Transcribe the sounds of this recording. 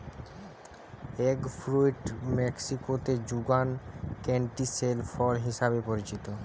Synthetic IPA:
eɡfɾuiʈmeksikot̪ed͡ʑuɡankeɳʈiselfɔlɦiʃaβepoɾit͡ɕit̪o

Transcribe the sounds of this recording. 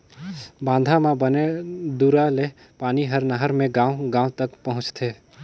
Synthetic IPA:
bãːnd̪ʱamãbəned̪uɾale | paːniɦəɾnəɦəɾmẽɡãːõɡãːõt̪əkpəɦʊ̃t͡ʃt̪ʰeː

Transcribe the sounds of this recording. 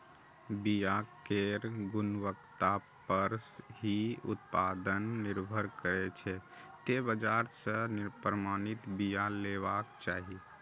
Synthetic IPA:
bijakeɾɡʊnwəkt̪apəɾsɦiʊ̰t̪̚paːd̪ənːɪɾbʱəɾkəɾɛt͡ʃʰɛ | t̪ebəd͡ʒaːɾsə̃nɪɾpɾəmaːnɪt̪bijaleːʋaːkt͡ʃaːɦi

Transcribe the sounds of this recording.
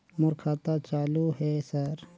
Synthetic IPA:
mʊɾkʰaːt̪at͡ʃaːluɦeːsəɾ

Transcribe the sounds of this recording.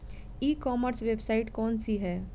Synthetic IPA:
iːkɔːməɾsʋebsaɪʈkɔːnsiɦɛː

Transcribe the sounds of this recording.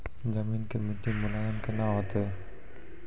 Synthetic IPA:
d͡ʒəmiːnkemiʈimʊlaːzənkenaɦoːt̪e

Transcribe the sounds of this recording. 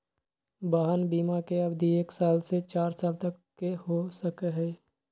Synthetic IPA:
baːɦənbiːmakeɐbd̪ʱieːksaːlset͡ʃaːɾsaːlt̪əkːehosəkɦɛ

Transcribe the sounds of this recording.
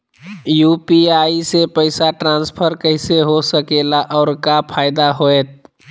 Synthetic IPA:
jupiaisepəɪsaʈɾãnspʰəɾkəɦɪseɦosəkelaʔɔːɾkapʰaːɪd̪aɦoet̪̚

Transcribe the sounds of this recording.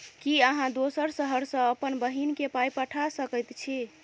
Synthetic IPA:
kiəɦãd̪osəɾsəɦəɾsə̃əpənbəɦinkepajpəʈʰasəkəjt̪t͡ʃʰi

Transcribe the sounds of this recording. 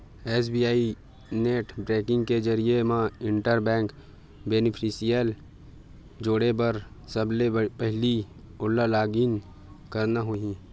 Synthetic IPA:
eːsbiːaːi | neːʈbɾeːkɪ̃ŋɡked͡ʒəɾiemãɪ̃ɳʈəɾbɛ̃ːŋk | beːnɪpʰisijəl | d͡ʒoːɽep̬ɐɾsəblepɛɦli | ʊlːalaːɡiːn | kəɾnaɦoɦĩː

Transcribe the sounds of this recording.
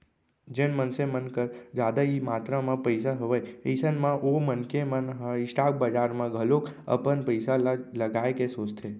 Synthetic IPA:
d͡ʒenmənsemənkəɾd͡ʒad̪aimat̪ɾamãpəɪsaɦəʋəjeɪsənmãʔomənkemənɦɪsʈak̚bəd͡ʒaɾmãɡʱəlokə̰pənpəɪsaləɡaekesoːt͡ʃt̪ʰe

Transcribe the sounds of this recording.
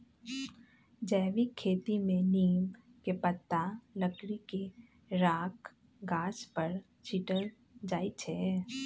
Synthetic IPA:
d͡ʒɛːʋikʰeːt̪imẽniːmkepət̪ːaləkɽike | ɾaːk | ɡaːspəɾ | t͡ʃiʈəl | d͡ʒaːit͡ʃʰɛ

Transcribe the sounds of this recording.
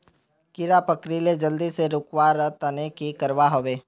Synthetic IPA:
kɪɾapəkɾiled͡ʒəld̪iseɾʊkwaɾət̪ənekikəɾʋaɦoːʋeː

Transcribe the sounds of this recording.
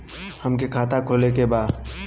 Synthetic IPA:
hɐmkekʰaːt̪akʰoːlekebaːd̪

